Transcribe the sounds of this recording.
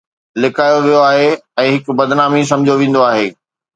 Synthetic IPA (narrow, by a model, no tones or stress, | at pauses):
lɪkaːjoʋijoaːɦeɛ̃ːɦɪkbɐd̪ɪnaːmis̬ɐ̃md͡ʑʱoʋẽːn̆d̪oaːɦeː